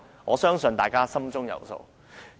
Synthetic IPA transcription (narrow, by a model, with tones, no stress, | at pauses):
ŋɔː˨˧sœː˥ŋsɵ˨nt̪aː˨jkaː˥sɐ˥mt͡sʊ˥ŋjɐ̰˨˩wso̰˨˧w